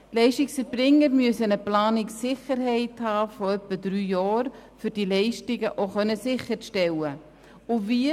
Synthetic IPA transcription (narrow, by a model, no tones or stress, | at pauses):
tlɛɪʃtɪksfəɾb̥ɾɪŋːəɾmyəsənəplaːnɪksɪχəɾɦɛɪthɑːfɔœpːədɾyːjɑːɾfyɾd̥ilɛɪʃtɪɡəʔoχœnəsɪχəɾʃtɛwə | ʊviə